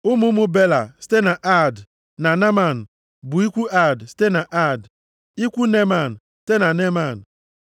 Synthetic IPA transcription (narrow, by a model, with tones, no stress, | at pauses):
ʊ˦mʊ˦mʊ˦be˦la˨si̥˦te˦na˨ʔa˦˨d | na˨ne˦ma˨n̩˨ | bʊ˨i˦kʷu˦a˦˨dsi̥˦te˦na˨ʔa˦˨d | i˦kʷu˦ne˦ma˨n̩˨si̥˦te˦na˨ne˦ma˦˨n̩˨